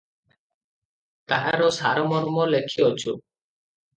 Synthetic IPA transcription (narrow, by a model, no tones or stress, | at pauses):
t̪aʔa̰ɾɔsaɾɔmɔɾmɔlekʰiɔt͡ʃʰu